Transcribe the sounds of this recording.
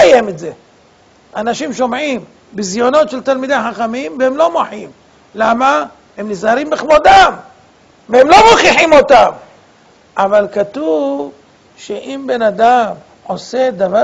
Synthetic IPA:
ajemetze̞ | anaʃimʃo̞mʕim | bizjo̞no̞t̪ʃelt̪almid̪eħaχamimvehemlo̞moħim | lama | hemnizaɾimbiχmod̪am | vehemlo̞moχiħimo̞t̪am | ʔavalkat̪uv | ʃeʔimbe̞nad̪am | ʕo̞se̞d̪ava

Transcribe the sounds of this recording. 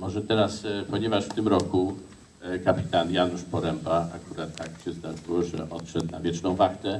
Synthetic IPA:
mɔʐɛt̪ɛɾaspɔɲɛvaʂft̪ɘmɾɔku | kapʲi̥t̪anjanuʂpɔɾɛmpaakuɾat̪ʰːakɕɛzd̪aʐɨwʐɛ̰ʔɔt̪ʂɛt̪na̰vʲjɛt͡ʂnɔ̃w̃vaxt̪ɛ

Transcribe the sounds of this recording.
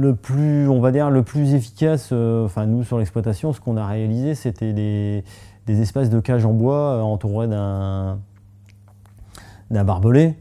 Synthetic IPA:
ləplyɔ̃vad̪iʁləplyzefi̥kʲasøɑ̃fɛ̃nusyʁlɛksplwat̪asjɔ̃sə̥kɔ̃naʁealizeset̪ɛd̪e | d̪ezɛspas̬d̪əkʲaʒɑ̃bwaøɑ̃t̪uʁed̪ɛ̃ | d̪ɛ̃baʁbɔlɛ

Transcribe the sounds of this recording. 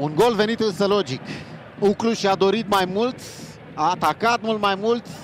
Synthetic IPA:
unɡo̞lve̞nit̪ɨnsəlo̞d͡ʒik | ukluʃiad̪o̞ɾit̪majmult̪ʲ | aːt̪akat̪̚mult̪majmult̪sʲ

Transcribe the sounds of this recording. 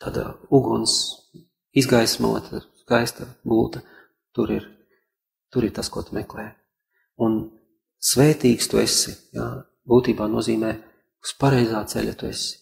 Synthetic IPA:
t̪aːd̪a̰uɡuns | izɡajsma̰lˠa̰t̪ʰad̪skajst̪ɐbulˠt̪ɐ | t̪uɾiɾ | t̪uɾiɾt̪askuɔt̪umɛklɛː | un | sʋɛːt̪iːkst̪uesijaː | buːt̪iːbaːnuɔziːmɛː | u̥spaɾɛjzaːt̪sɛ̰lʲɐt̪uesi̥

